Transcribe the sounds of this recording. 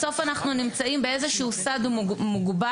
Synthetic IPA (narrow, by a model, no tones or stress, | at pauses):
so̞fanaχnunimt͡saimbe̞ezeʃuusad̪muɡba